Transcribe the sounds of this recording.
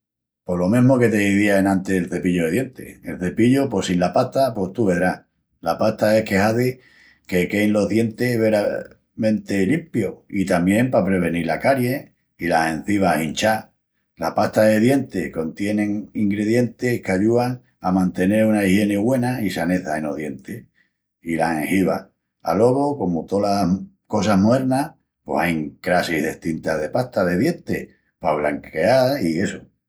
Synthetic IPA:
po̞lo̞mẽɦmo̞ke̞t̪e̞βiβiaenãnt̪eelθe̞piʎoðeðje̞nt̪e̞̰elθe̞piʎopo̞sinlapaht̪apo̞ht̪uβe̞ðɾa | lapaht̪ae̞hke̞haði | ke̞ke̞jnlo̞ɦðje̞nt̪e̞βeɾa | mẽ̞nt̪e̞limpjoit̪amjẽ̞mpapɾe̞β̞e̞niɾla̰kaɾje̞ | ilasẽ̞n̟θiβ̞ahint͡ʃa | la̰hpaht̪aðe̞ðje̞nt̪e̞ko̞nt̪je̞nẽ̞ŋiŋɡɾe̞ðje̞nt̪e̞hkaʎuaŋ | amãnt̪e̞ne̞ɾunaihje̞neɣwe̞naisane̞θaeno̞ðje̞nt̪e | ilaheŋhiβa | a̰lo̞βoko̞mot̪o̞la | ko̞s̬aɦmoeɾna | po̞̰sajŋkɾasiɦðeht̪int̪aðe̞paht̪aðe̞ðje̞nt̪e̞ | paβ̞laŋke̞aɾie̞so

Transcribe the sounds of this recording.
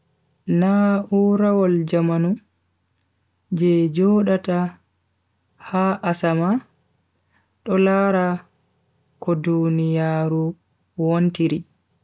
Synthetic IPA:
nauɾawɔld͡ʒamanu | d͡ʒɛd͡ʒɔːɗata | haʔːsama | ɗɔlaɾa | kɔdunijaːɾu | wontiɾi

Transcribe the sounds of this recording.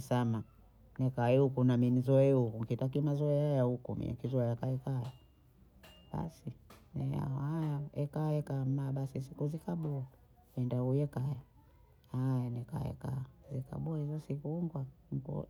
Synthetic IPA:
sama | nɛkaɛukunaminizɔɛhukuŋkitak̬imazɔɛhajahukumḭa̰kizɔɛjakaɛkaja | ɓa̰sinɛa̰hajaɛkaɛkaːm̩maɓasisikuzikaɓuɔ | ɛndahujɛkaja | hajanɛka̰ɛ̰kazika̰ɓuahizɔsikuŋɡwam̩pɔ̰

